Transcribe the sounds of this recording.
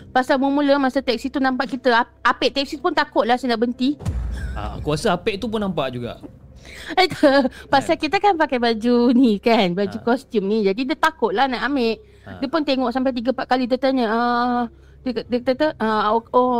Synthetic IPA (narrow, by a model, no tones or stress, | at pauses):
pasalmumuləmasət̪ɛk̚sit̪unãmpaʔkit̪əa | apɛʔt̪ɛksipʊnt̪akʊt̪̚lahsanaʔbənt̪ia̰kuasəapɛʔt̪upʊnːãmpaʔd͡ʒuɡa̰ʔ | ət̪əpasalkit̪əkanpakajbad͡ʒunikanbad͡ʒukɔst̪jumnid͡ʒadidət̪akʊt̪̚lahnaʔameʔ | diəpʊnt̪eŋɔʔsampajt̪̬iɡəpaʔkalidət̪aɲəə | dədəkt̪ət̪əʔəo